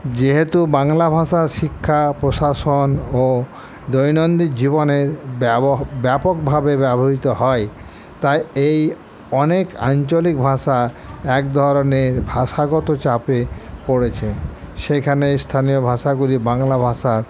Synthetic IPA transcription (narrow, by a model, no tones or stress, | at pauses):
d͡ʑeɦet̪ubaŋlabʱaʃaɾʃikʰːapɾoʃaʃono | d̪ojnond̪ikd͡ʑiboneɾ | bɛpok̚bʱabebɛboɦit̪oɦɔe | t̪ajej | ɔneka̰nt͡ɕolik̚bʱaʃa | ɛk̚d̪ʱɔɾoneɾbʱaʃaɡɔt̪ot͡ɕapepoɽet͡ɕʰeʃekʰanest̪ʰanijobʱaʃaɡulibaŋlabʱaʃaɾ